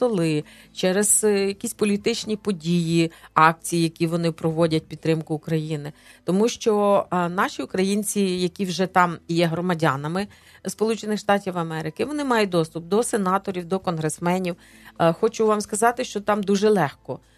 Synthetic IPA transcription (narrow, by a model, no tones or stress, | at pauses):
t̪ɔlˠɪ | t͡ʃɛɾez̥jɐkʲisʲpɔlʲit̪ɪt͡ʃnʲipɔdʲijiɑk̚t͡sʲijijɐkʲiʋɔnɪpɾɔʋɔdʲɐt̚ʲpʲid̪t̪ːɾɪmkʊːkɾɐjinɪt̪ɔmuʃt͡ʃɔnɑʃʲiʊkɾɐjinʲt͡sʲijɐkʲiwʒɛt̪ɑmjɛɦɾɔmɐdʲanɐmɪ | spɔlˠut͡ʃenɪxʃt̪ɑtʲiwɐmɛɾɪkɪʋɔnɪmɑjʊd̪ɔst̪ʊp̚d̪ɔsenɑt̪ɔɾʲiwd̪ɔkɔnɦɾesmɛnʲiw | xɔt͡ʃʊʋɑmskɐzɑt̪ɪʃt͡ʃɔt̪ɑmd̪uʒɛlˠɛxkɔ